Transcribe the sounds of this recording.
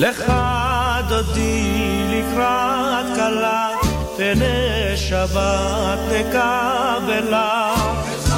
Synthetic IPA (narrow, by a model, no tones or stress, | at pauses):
leχa | d̪od̪i | likɾa | at̪kala | bene | ʃava | t̪leka | bela